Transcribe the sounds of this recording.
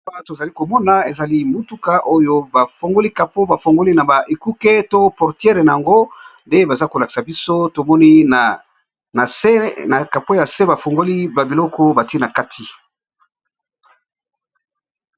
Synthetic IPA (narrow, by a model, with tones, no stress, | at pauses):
a˦to˨za˨li˦ko˨mɔ˦na˨e˨za˨li˦mo˨tu˦ka˦ʔo˦jo˦ba˨fo˨ŋɡo˦li˦ka˨po˦ba˨fo˨ŋɡo˦li˦na˨ba˨ʔe˨ku˦ke˦to˦pɔ˨ʁtjɛ˦ʁe˨na˨ja˨ŋɡo˦nde˦ba˨za˦ko˨la˨ki̥˨sa˨bi˦so˦to˨mɔ˦ni˦˨ | na˨e˦na˨ka˨po˦ja˨se˦ba˨fo˨ŋɡo˦li˦ba˨bi˨lɔ˦kʰɔ˦ba˨ti˦e˦na˨ka˦tʰi˨